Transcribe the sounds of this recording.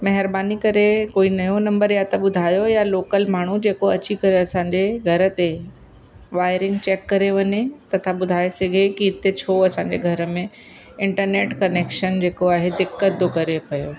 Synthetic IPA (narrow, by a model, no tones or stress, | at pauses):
mɐɦɪɾbaːnikɐɾekoːinɐjonɐ̃mbəɾjat̪ɐɓʊd̪ʱaːjojaloːkəlmaːɳ̤ud͡ʑeːkoɐt͡ɕikɐɾeɐsãːɲd͡ʑeɡʱɐɾə̆t̪e | ʋaːɪɾɪ̃ŋɡ̚t͡ɕeːkːɐɾeʋɐɲet̪ɐt̪ʰãɓʊd̪ʱaːeseɡʱekiɪt̪et͡ɕʰoɐsãɲd͡ʑeɡʱɐɾə̆mẽ | ɪ̃ɳʈəɾneːʈkɐneːkʃənd͡ʑeːkoaːɦed̪ɪkːət̪̚d̪okɐɾepɐjoː